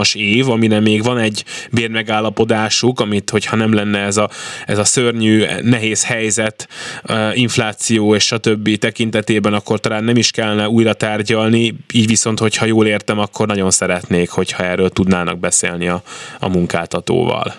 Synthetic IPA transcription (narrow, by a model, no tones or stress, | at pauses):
ʃeːvɒminɛmeːɡʋɒnɛɟbeːrmɛɡaːlːɒpo̞d̪aːʃukɒmit̪ho̞cʰhɒnɛmlɛnːɛɛzɒɛzɒsørɲyːnɛɦeːshɛjzɛt̪ | iɱflaːt̪sijoːeːʃʃɒt̪ø̞bːit̪ɛkint̪ɛt̪eːbɛnɒkːo̞rt̪ɒlaːnːɛmiʃkɛlːɛnɛuːjɾɒt̪aːrɟɒlniiːɟʋiso̞nt̪ho̞chɒjoːleːrt̪ɛmɒkʰːo̞rnɒɟo̞nsɛɾɛt̪neːkho̞chɒɛːrːøːlt̪ud̪naːnɒ̰ɡ̚bɛsḛːlniɒɒ̰muŋka̰ːt̪ɒt̪o̰ːvɒ̰l